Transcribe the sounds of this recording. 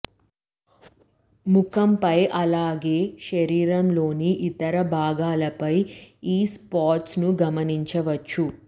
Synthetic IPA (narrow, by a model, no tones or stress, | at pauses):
mukʰɐmpɐjʔɐlaːɡe̞ːʃɐɾiːɾɐmlo̞ːniʔit̪ɐɾɐbʱaːɡaːlɐpɐjiːspaːɾʈsnuɡɐmɐniɲt͡ʃɐʋɐt͡ʃːu